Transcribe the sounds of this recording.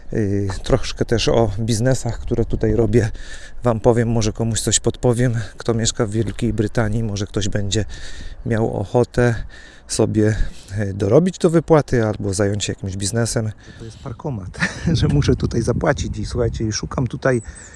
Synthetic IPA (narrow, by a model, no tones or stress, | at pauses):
t̪ɾɔʂkɛt̪ɛʂɔbʲiznɛsaxkt̪uɾɛt̪ut̪ajɾɔbʲjɛvampɔvʲjɛmːɔʐɛkɔmuɕt̪sɔɕpɔt̪pɔvʲjɛmkt̪ɔmʲjɛʂkavːʲjɛlkʲejbɾɘt̪aɲimɔʐɛkt̪ɔʑbɛɲd͡ʑɛmʲjawɔ̰xɔt̪ɛ | sɔbʲjɛd̪ɔɾɔbʲid͡ʑd̪ɔvɘpwat̪ɘalbɔzajɔɲt͡ɕjakʲimʑbʲiznɛsɛmt̪ɔjɛst̪̚paɾkɔmat̪ʐɛmuʂɛt̪ut̪ajzapwat͡ɕit͡ɕiswuxajt͡ɕɛiʂukamt̪ut̪aj